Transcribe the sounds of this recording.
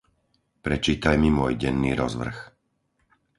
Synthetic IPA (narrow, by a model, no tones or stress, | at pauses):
pɾɛt͡ʃiːt̪ajmimʊɔjɟɛnːiːɾɔ̰zʋr̩x